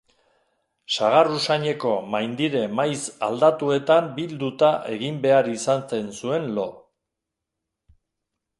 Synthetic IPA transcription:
saɣ̞arusaɲe̞ko̞majnd̪iɾe̞majsa̰ld̪at̪ue̞t̪ambild̪ut̪aʔe̞̰ɣimbe̞aɾisanse̞nsue̞nlo̞

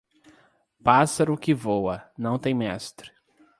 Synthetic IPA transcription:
pasɐɾʊkɪvowɐnɐ̃w̃t̪ẽj̃mɛst̪ɾɪ

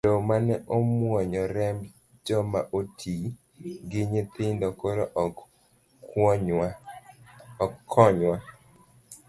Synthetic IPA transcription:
domanɛʔomwɔɲɔɾɛm | d͡ʒɔmaʔotʰi | ɡɪɲɪt̪ɪndɔkoɾoʔ | ɔkːɔɲwa

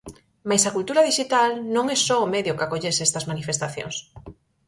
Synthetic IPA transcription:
majsakult̪uɾɐðiʃit̪alnõŋɛsɔomeðjʊkakoʎesɛst̪ɐzmanifest̪aθjõ̰ŋs

